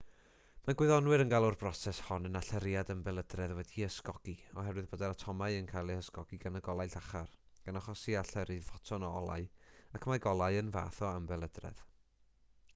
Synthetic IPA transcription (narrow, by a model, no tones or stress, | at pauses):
maɡwɨðɔnwɨɾənɡalˠʊrb̥rɔsɛshɔnənaɬɛɾɪjadəmbɛlˠədrɛðwɛdiəskɔɡ̥iɔɦɛɾwɨðbədaɾatʰɔmaɨənkʰajlˠihəskɔɡiɡanəɡɔlˠajɬaχar | ɡ̥anaχɔsiaɬɛɾɨvɔtʰɔnɔɔlˠa̰ɨakʰmaɡɔlˠaɨənva̰ːθɔambɛlˠədrɛ̰ð̥